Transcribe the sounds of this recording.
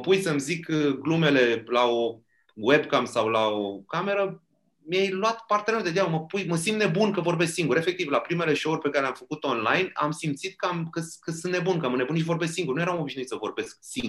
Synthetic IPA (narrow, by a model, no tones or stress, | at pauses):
məpujsəmzikɡlume̞le̞lao̞ | webkamsawlaokame̞ɾə | mijajlwat̪part̪ened̪ed͡ʒ̪abəməpujməsimd̪nebunkəvo̞rbe̞sksiŋɡuɾe̞fe̞k̚t̪ivlapɾime̞le̞ʃo̞urʲpe̞kaɾelʲamfəkut̪o̞nlajna̰msimt̪sit̪̚kəamkəskəsunt̪ne̞bunkəamənebunʃ̬ivo̞rbesksiŋɡuɾrnujeawmo̞biʃnuit̪səvo̞̰rbe̞sk̚siŋɡ